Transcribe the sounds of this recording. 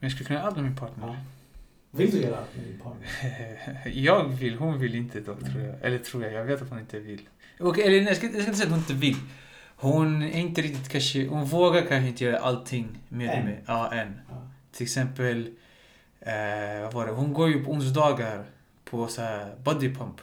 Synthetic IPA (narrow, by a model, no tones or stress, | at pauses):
mɛnjɑskʉlːəkʰɵnːaalt̪mɛmɪnpʰɑːʈnəɾ | ɪd̪jːɾʰ | jɑːɡvɪlːɦʊnvɪlɪnt̪ʰəd̪ɔkt̪ʰɾuːɾjɑ̰ɡɛ̰lːəʈ̪ʰɾuːɾjɑɡjɑɡveːt̪at̪hʊnɪnt̪əvɪlː | ɔkɛlːənjɑskajɑskansɛjːt̪hʊnɪ̃nt̪ːəvɪl | hʊnæɾɪnt̪əɾɪkt̪ɪt̪kʰanʂəhʊnvoːɡaɾkʰanʃ̬əɪnt̪ːəjœːɾa̰ʔalt̪ʰːɪŋːmeːd̪ɛmːɛʔɑːʔɛnt̪ʰɪlɛksɛmpəl | vavɑːɖɛhʊnɡoːɾjʊpʰɔʊns̬d̪ɑːɡaɾ | pʰɔshæbɔd̪ɪpʰamp